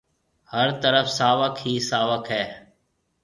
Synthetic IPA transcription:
həɾt̪əɾəfsaːʋəkʰɦiːsaːʋəkʰɦɛː

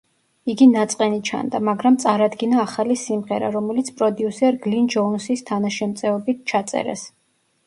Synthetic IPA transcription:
iɡinat̪sʼqʼɛnit͡ʃʰa̰nd̪amaɡɾamt̪sʼaɾad̪ɡinaːχalisimʁɛɾa̰ɾɔmɛlit̪sʰpʼɾɔd̪iusɛɾɡlind͡ʒɔnsist̪ʰanaʃɛmt̪sʼɛɔbit̪̚ʰt͡ʃʰat̪sʼɛ̰ɾɛ̰s

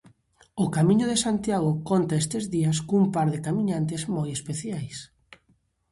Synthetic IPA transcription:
ʊkamĩɲʊðesant̪jaɣ̞ʊkont̪ɐest̪ezðiɐskoumpaɾðekamĩɲant̪ezmojespeθjajs

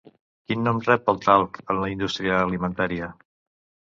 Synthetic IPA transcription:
kinːɔmrɛp̚əlˠt̪alˠkənləind̪ust̪ɾiəːlimənt̪aɾiə

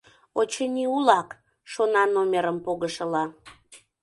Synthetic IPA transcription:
ot͡ɕənʲiulɑk | ʃonɑnomʲeɾəmpoɣəʃəlɑ

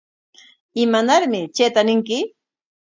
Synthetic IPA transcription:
ɪmanaɾmɪt͡ʃeːt̪anɪŋkɪ

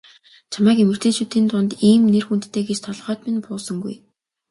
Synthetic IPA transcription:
t͡ɕʰamæːkemɘ̆rt̪ʰeːt͡ɕuːt̪iːnt̪ʊnt̪iːmnerxunt̪ːʰeːɡet͡ɕt̪ʰɔɮʁœːt̪menpʊːsə̆ŋɡṵj

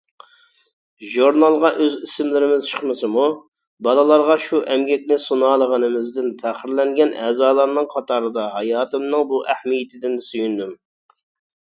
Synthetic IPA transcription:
ʒuɾnɑlˠʁɑʔøzisɪmlɪɾɪmɪz̥t͡ʃʰə̥χmɨsɨmu | bɑlˠɨlˠɑɾʁɑʃuʔɛmɡʲɛk̚ʲnɪsunɑːlˠəʁənɨmɪzd̪ɪnpʰæχɪɾlɛŋɡʲɛnʔɛːzɑːlˠɑɾnɨŋqʰɑt̪ʰɑːɾɨd̪ɑɦɑjɑːt̪ɨmnɨŋbuʔæhmijɪt̪ʰɪd̪ɪnsyjynd̪ym

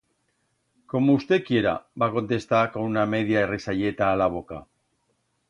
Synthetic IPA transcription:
ko̞moust̪ekie̞ɾa̰bako̞nt̪e̞st̪akouname̞ðiaerisaʎe̞t̪aːlaβ̞o̞ka

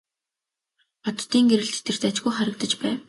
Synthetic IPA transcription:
ɔt̪t̪ːiːŋɡeɾɘ̆ɮt̪e̥t̪ɘ̆r̥t̪at͡ɕɡujχæɾə̆k̚t̪ə̆t͡ɕpæːw

